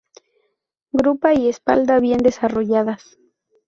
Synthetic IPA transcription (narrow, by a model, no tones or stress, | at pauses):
ɡɾupaiespald̪aβje̞nd̪esaroʝaðas